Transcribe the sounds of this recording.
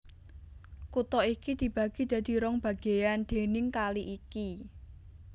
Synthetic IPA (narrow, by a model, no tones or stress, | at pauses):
kut̪ɔikid̪̥i̤b̥ä̤ɡ̥id̪̥ä̤d̪̥i̤ɾɔŋb̥ä̤ɡ̥e̤jand̪̥e̤nɪŋkaliʔiki